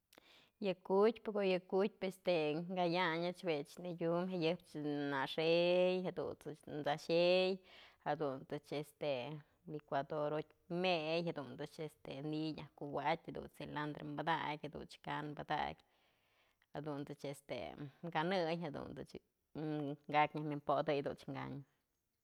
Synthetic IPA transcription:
jakut̪ʲpekojəkut̪̚ʲpest̪eŋɡajaɲat͡ʃbet͡ʃnijʲumhajəpt͡ʃnaʂejɦad̪ṵnt͡snzaʃejhad̪unt̪ɨt͡ʃest̪e | likʷad̪oɾot̪ʲ | mejhad̪und̪ɨt͡ʃest̪eniɲʲahkuwat̪ʲad̪ṵnseland̪ɾembad̪a̰kʲad̪ṵnt͡ʃkanmbad̪a̰kʲ | ha̰d̪unt̪ɨt͡ʃest̪ḛɡanɨjɦad̪ṵnd̪ɨ̰t͡ʃ | ŋɡakʲɲʲahmimpod̪əjd̪ṵnt͡ʃŋɡa̰ɲ

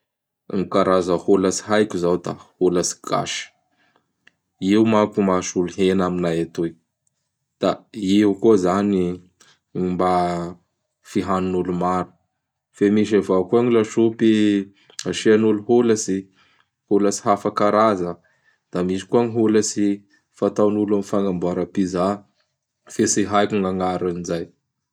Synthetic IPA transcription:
ŋikaɾazəholəsi̥ɦajkʲuzawd̪a̰holasi̥ɡ̥a̰ʃə̥ | ewmakumaʃulɦenaminajat̪oj | d̪̥aeukuzani | mba | fiɦanunulumaɾu̥ | femiʃ̬avakuaŋilaʃupi | aʃianuluɦuləsi | huləsi̥ɦafakaɾazə | d̪̥amiʃi̥kuaŋiɦuləsi | fat̪awnulamifaŋɡambaɾapiza | fesiɦajkʲuŋaŋaɾanizaj

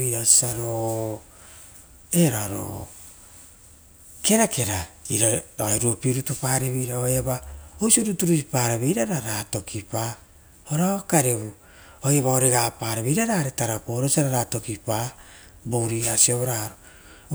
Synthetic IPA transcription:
iɾaosi̥saɾo | eɾaɾo̰ | ke̞ɾakʰe̞ɾaḭɾaɾoeɾuopiɾutupaːɾeβiɾaojabaoisioɾutuɾusipaːɾaβeiɾaɾaɾato̞kʰipa | oɾakaɾeβu | ojaβaoɾeɡapaːɾaβeiɾaɾaɾetaɾapoɾosiaɾaɾato̞kipa | bowɾiasioβoɾaɾo

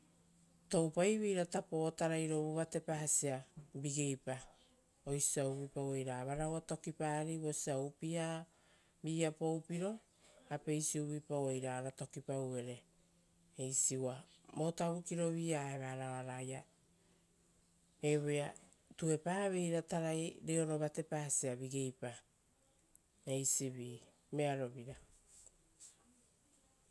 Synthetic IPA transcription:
to̞wpajβejɾatapo̞taɾajɾo̞βoβate̞pahasiabiɡejpa | o̞jsiauβipawe̞jɾaːβaɾawato̞kipaɾiβo̞siaupia | biːapo̞wpiɾo̞ | ape̞jsiuβipawejɾaɾato̞kipawe̞ɾe̞ː | jsiwamo̞taβukiɾo̞βiaeβaɾaaɾaja | eβoja | tue̞paaβe̞jɾataɾajɾeo̞ɾo̞βate̞paːsiaβiɡe̞jpa | ejsiβiː | me̞aɾo̞βiɾa

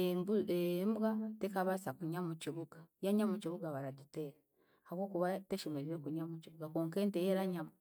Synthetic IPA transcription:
ebuembɡatekaβasakuɲamut͡ʃiβuɡajaɲamut͡ʃiβuɡaβaɾaɟuteɾa | hawokuβateʃomeɾiɾekuɲamut͡ʃiβuɡakoːŋkeːntejeɾaɲa

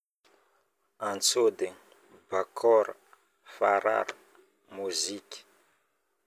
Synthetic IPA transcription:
ant͡sod̪e | bakʰɔɾa | faɾa̰ɾa | muziki̥

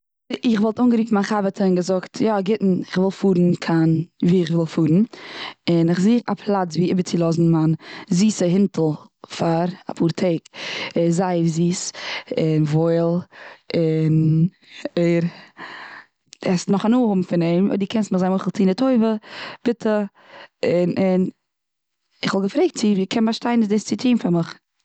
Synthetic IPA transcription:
ɪχvɔlˠtʊnŋɡəɾiːfmanχavətʰəɪnɡəzʊktʰjɔɡɪtn̩ɪχvɪlˠfuːɾn̩kʰanviːɪχvɪlˠfuːɾn̩ɪnɪχziːa̰pʰlˠat͡sviːɪbət͡sɪlˠɔzn̩manziːsəɦɪntʰl̩ˠfaɾa̰pʰuːɾtʰeɪkzaɪfziːsɪnvoɪlˠɪn | eɪɾ | ɛsnʊχanuːhʊbm̩fɪneɪmɔ̰diːkʰɛnstməχzaɪnoɪχlˠtʰiːnɪtʰoɪvəb̥ɪtʰə | ɪnɪn | ɪχvɔlˠɡəfɾeɪk̚tt͡sɪviːkʰɛnbaɾʃtaɪnɪsdɪst͡sɪtʰiːmfaɾmɪχ

